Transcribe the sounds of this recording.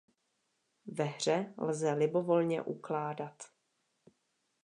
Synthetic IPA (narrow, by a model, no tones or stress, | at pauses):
vɛɦr̝ɛlzɛlɪbo̞vo̞lɲɛ̰ʔuklaːdat̪